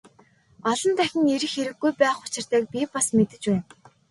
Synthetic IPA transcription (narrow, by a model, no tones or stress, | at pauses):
ɔɮɞ̆nt̪æxʲɪ̆ŋeɾɘ̆xeɾɘ̆ɡːujpæːχʊ̥t͡ɕɪ̆r̥t̪æːk̚pʲipasmet̪ɘ̆t͡ɕpæːn